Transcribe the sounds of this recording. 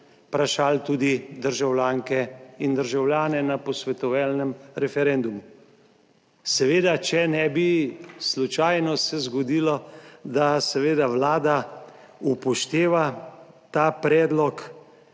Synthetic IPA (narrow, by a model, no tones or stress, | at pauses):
pɾaʃaːlt̪uːd̪id̪əɾʒawlʲjaːŋkɛind̪əɾʒawljaːnɛnapɔsʋɛt̪ɔʋalnɛmɾɛfɛɾɛnd̪umu | sɛʋeːd̪at͡ʃɛnɛbislut͡ʃaːjnɔsɛzɡɔd̪iːlɔd̪asɛʋeːd̪aʋlaːd̪a | upɔʃt̪eːʋa | t̪aːpɾɛːd̪lɔk